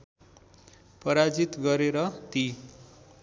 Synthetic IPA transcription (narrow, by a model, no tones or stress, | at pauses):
pʌɾad͡zit̪ɡʌɾeɾʌt̪i